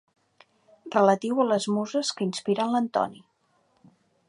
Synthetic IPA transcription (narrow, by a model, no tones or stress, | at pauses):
rələt̪iwələzmuzəskəinspiɾənlənt̪ɔ̰ni